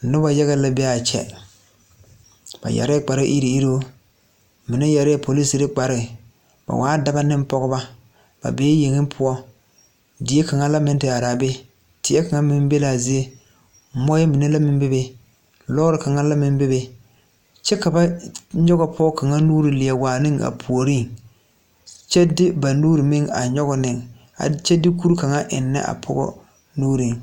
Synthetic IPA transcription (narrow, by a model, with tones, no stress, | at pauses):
nʊ˦ba˨ja˦ɣɛ˦la˨bɛ˦a˨t͡ʃɛ̰˦ | b̥a̰˨ja̰˨ɾɪ˦k͡pa˨ɾʔi˦ɾi˨i˦ɾo˦ | mɪ˨na˦ja˨ɾɪ˦˨pʰo˨li˦si˨ɾɪ˦k͡pa˨ɾɪ˦˨ | ba̰˨wʔaː˦da˨ba˦nɪ˦m˦pɔ˦ɡʊ˦ba˦ | b̥a̰˨beː˨˦je˨ŋɪ˦mpʰʊ˦ɔ˦ | dɪ˨e˦ka˨ŋa˦la˦mɪ˦ntɪ˨a˨ɾaː˨be˦ | tɪ˨˦ɛ˦ka˨ŋa˦mɪ˦m˦be˦laː˨zi˦e˦ | mɔ˦jɛ˦mi˨ne˦la˦mɪ˦m˦bɪ˦be˦ | lɔː˦ɾɪ˨ka˨ŋa˦la˦mɪ˦mbɪ˦be˨ | t͡ʃɛ˦ka˨ba˦ɲɔ˦ɣɔ˦pʰɔ˦ka˨ŋa˦nuː˦ɾi˨lɪ˨a˨waː˨nɪ˦ŋa̰˨pʰu˨o˨ɾi˦˨ŋ | t͡ʃɛ˦dɪ˦ba˨nuː˦ɾi˨mɪ˦ŋa̰˨ɲɔ˦ɣɔ˦nɪ˨ŋ | a̰˨t͡ʃɛ˦dɪ˦ku˦ɾka˨ŋa˦ʔɪ̰˨nːɛ̰˦ʔa̰˨pʰɔ̰˦ɡɔ̰˦ | nuː˦ɾi˨ŋ